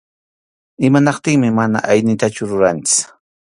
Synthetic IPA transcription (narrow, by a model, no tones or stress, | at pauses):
ɪmanɑqt̪ɪŋmɪmana̰ʔajnɪt̪at͡ʃʊɾʊɾant͡sʊ̥